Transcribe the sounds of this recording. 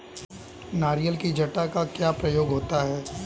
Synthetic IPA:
naːɾijəlkid͡ʒʱɐʈakakjaːpɾɐjoːɡɦoːt̪aɦɛː

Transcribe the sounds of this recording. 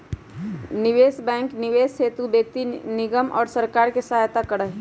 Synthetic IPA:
nɪʋeːsbɛ̃ːŋknɪʋeːsseːt̪ubek̚t̪inɪɡəmʔɔ̰ːɾsəɾkaːɾkesɐɦajt̪akəɽəɦ

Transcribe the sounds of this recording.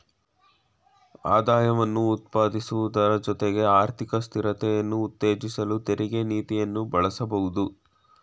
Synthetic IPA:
a̰ːd̪aːjɐʋɐnːuːt̪̚paːd̪isuʋud̪ɐɾɐd͡ʒɔt̪eɡe̞aːɾt̪ʰikɐst̪ʰiɾɐt̪ɛjɐnːuːt̪ːe̞ːd͡ʒisɐlut̪eɾʔiɡe̞niːt̪ijɐnːubɐɭɐsɐbɐɦud̪u

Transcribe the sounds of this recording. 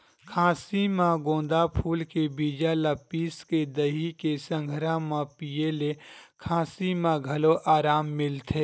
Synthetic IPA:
kʰãːsimãɡõːnd̪apʰuːlkebiːd͡ʒaləpiːsked̪əɦikesə̃ŋɡʱɾãmãpijelekʰãːsimãɡʱɐloʔaːɾaːmːɪlt̪ʰeː

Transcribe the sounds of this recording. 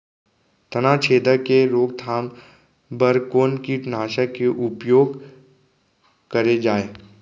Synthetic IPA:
t̪ənaːt͡ʃʰeːd̪əkeɾoːɡt̪ʰaːm | bəɾkoːnkiʈnaːʃəkeʔʊpjoːɡ | kɐɾed͡ʒaːeː

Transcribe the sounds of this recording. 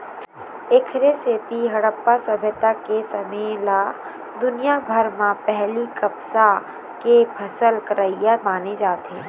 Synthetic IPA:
ekʰɾesetiɦɐɽəpːasɐbʱət̪akesɐmeːlaː | d̪ʊnijabʱəɾmãpɛɦlikɐpsa | kepʰɐsəlkəɾəijamaːned͡ʒaːt̪ɛ̃ː

